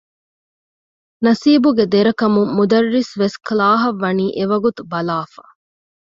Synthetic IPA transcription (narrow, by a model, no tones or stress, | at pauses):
nɐsiːbuɡed̪eɾɐkɐmuːud̪ɐrːisʋesklaːɦɐʋːɐniːʔeʋɐɡut̪ubɐlaːfaː